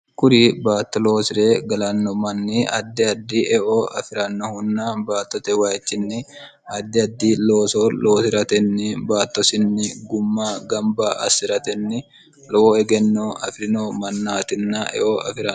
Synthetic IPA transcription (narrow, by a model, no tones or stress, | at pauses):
kʊɾibaːt̪ːɔlo̞ːsɪɾeːɡɐlɐnːɔmɐnːiɐd̪ːɛɐd̪ːiːʔɛʔoːʔɐfɪɾɐnːɐhʊnːabaːt̪ːɔt̪ɛwaːɛt͡ʃːɪnːɪ | ɐd̪ːɪɐd̪ːiːlo̞ːsoloːsɪɾɐt̪ɛnːɪbaːt̪ːɔsɪnːɪɡʊmːaːɡɐmbaːʔɐ̰sɪɾɐt̪ɛnːɪ | lɔoːɛɡɛnːoːɐ̰fɾɪnoːmɐnːaːt̪ɪnːaʔɛ̰ʔoːɐ̰fɪɾɐ